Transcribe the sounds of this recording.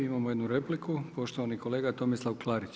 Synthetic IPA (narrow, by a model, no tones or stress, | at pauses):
imamojed̪nuɾe̞plikupo̞ʃt̪oʋaniko̞le̞ːɡat̪o̞mislˠawklˠaːɾit͡ɕ